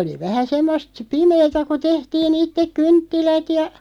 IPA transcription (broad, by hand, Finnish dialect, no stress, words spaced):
oli ʋæhæ semːost pimeːtæ ku tehtiːn itːek kyntːilæt jɑ